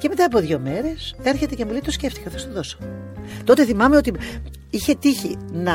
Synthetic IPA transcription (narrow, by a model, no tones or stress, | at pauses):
ce̞me̞t̪ɐːpo̞ðʝo̞me̞ɾe̞se̞ɾçe̞t̪ecemolit̪osce̞ft̪i̥kɐθost̪oðo̞so̥t̪o̞t̪eθimɐmeot̪i | içe̞t̪içinɐ